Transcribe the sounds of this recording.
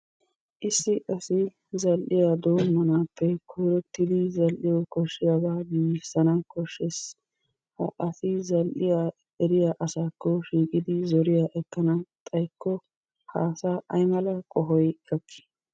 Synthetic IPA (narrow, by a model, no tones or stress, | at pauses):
ʔɪsːɪʔɐsɪ | zɐlʔɪjad̪oːmːɐnaːpːɛkʰʊjɾɔt̪ːɪd̪ɪzɐlʔɪjɔkɔʃːɪjabaːɡiːsːɐnɐkɔʃːes | hɐ̰ʔɐsɪzɐlʔɪja | ɛɾɪjaːʔɐsaːkːɔʃiːkʼɪd̪ɪzɔɾɪjaːʔɛkːɐnɐt̪ʼɐjkːɔ | ha̰ːsaʔɐjmɐlɐkʼɔɦɔjkɐkːɪ̥